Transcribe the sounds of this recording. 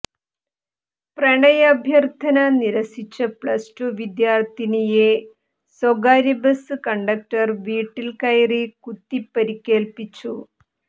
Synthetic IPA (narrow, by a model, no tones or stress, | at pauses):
preɳɐjɐbʱjɐrt̪ʰɐnɐniɾɐsit͡ɕːɐpɭɐsʈuʋid̪jaːrt̪inije | soɡaːɾibɐsɨkɐɳɖɐk̚ʈɐrʋiːʈːilkɐjrikut̪ːipːɐɾikʲːe̞ːlpit͡ɕːu